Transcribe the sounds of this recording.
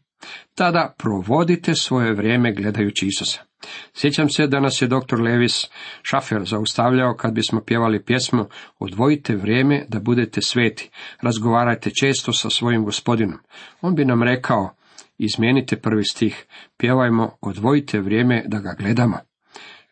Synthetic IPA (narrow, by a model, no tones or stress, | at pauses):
t̪ad̪apɾo̞ʋo̞d̪it̪e̞sʋo̞je̞ʋɾʲje̞ːme̞ɡle̞d̪ajut͡ɕiisusḁ | sje̞t͡ɕamse̞d̪anasje̞d̪o̞k̚t̪o̞ɾleːʋisʃafeɾzaust̪aʋʎaokʰad̪̚bismo̞pje̞ʋalipje̞smoo̰d̪ʋo̞it̪ʰe̞ʋɾje̞ːme̞d̪abud̪et̪esʋe̞ːt̪i̥ɾazɡo̞ʋaːɾajt̪e̞t͡ʃe̞ːst̪osasʋo̞jimɡo̞spo̞d̪ino̞mo̞ːnbinamɾe̞kʰao̞ | izmje̞ːnit̪epr̩ʋist̪iːxpje̞ʋajmo̞od̪ʋoit̪ʰe̞ʋɾjeːme̞d̪aɡaɡle̞d̪amo̞̰